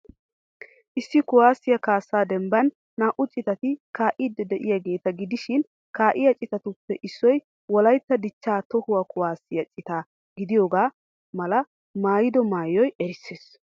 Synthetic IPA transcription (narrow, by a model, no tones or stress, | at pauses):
ʔɪsːɪkʊwaːsːɪjɐkaːsːaːd̪ɛmbɐnː | aːʔʊt͡ʃʼɪt̪ɐt̪ɪkaːʔɪːd̪ːɛd̪ɛʔɪjaɡe̞ːt̪ɐɡɪd̪ɪʃɪn | kaːʔɪjɐt͡ʃʼɪt̪ɐt̪ʊpːɛʔɪsːɔj | wɔlɐjt̪ːɐd̪ɪt͡ʃːaːt̪ɔhʊwɐkʊwaːsːɪjɐt͡ʃʼɪt̪aː | ɡɪd̪ɪjoːɡaː | mɐlɐ | maːjɪd̪ɔmaːjɔjɛɾɪsːeːs